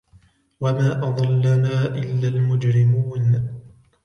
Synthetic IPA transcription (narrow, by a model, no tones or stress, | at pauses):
wamaːʔɑðˤɑlːanaːʔɪlːaːlmʊd͡ʒɾɪmuːn